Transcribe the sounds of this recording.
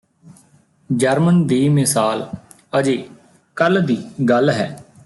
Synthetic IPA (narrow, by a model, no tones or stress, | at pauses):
d͡ʒəɾmənd̪iːmɪsaːl | əd͡ʒeː | kəld̪iːɡəlɦɛː